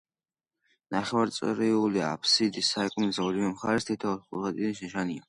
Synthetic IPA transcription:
naχɛwaɾt̪sʼɾiulia̰pʰsid̪isaɛkʼmzaɾimɛmχaɾɛst̪ʰit̪ʰaɔχṵɾʁad̪ʼid̪niʃɛʃania

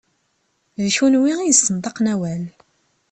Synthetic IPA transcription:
ðʃunwiʁijəsənt̪ˤɑqnæwæl

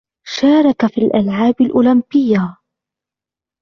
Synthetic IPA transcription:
ʃaːɾˤɑkafiːlʔalʕaːbalʔʊːlambɪjːa

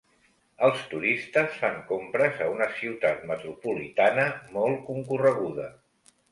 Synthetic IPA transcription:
əlˠst̪uɾist̪əsfaŋkompɾəzəunəsiwt̪at̪mət̪ɾupulit̪anəmɔlˠkuŋkurəɣ̞uðə

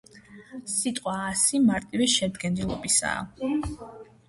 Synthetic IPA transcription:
sit̪ʼqʼwaːsimaɾt̪ʼivɛʃɛd̪ɡɛnilˠɔ̰bisa̰ː

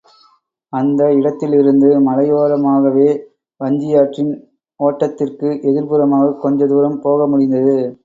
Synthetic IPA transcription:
ɐnd̪ɐɪɽɐt̪ːɪlɪɾɯnd̪ɯmɐlɐɪjoːɾɐmaːɣɐʋeː | ʋɐɲd͡ʒɪjaːʈrɪn | oːʈːɐt̪ːɪrkɯʔɛðɪɾpɯɾɐmaːɣɐkːɔɲd͡ʒɐd̪uːɾɐmpoːɣɐmʊɽɪnd̪ɐðɯ

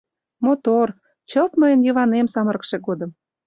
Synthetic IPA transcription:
mot̪or | t͡ɕəlt̪məjənjəβɑnemsɑməɾ̆kʃekod̪ə̆m

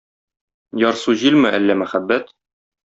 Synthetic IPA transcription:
jɒɾsuʑilmɘʔælːæmæχæbːæt̪

